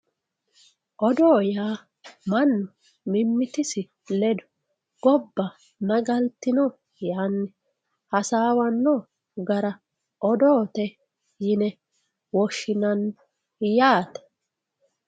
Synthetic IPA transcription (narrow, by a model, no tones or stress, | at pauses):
ʔɔd̪oːjaː | mɐnːʊ | mɪmːɪt̪ɪsɪ | lɛd̪ʊ̥ | ɡ̥ɔbːɐ | nɐɡɐlt̪ːɪnɔ | jaːnːɛ | hɐsaːwɐnːɔ | ɡɐɾɐ | ʔɔd̪oːt̪ɛ | jɪnɛ | wɔʃːɪnɐn | jaːt̪ɐ̥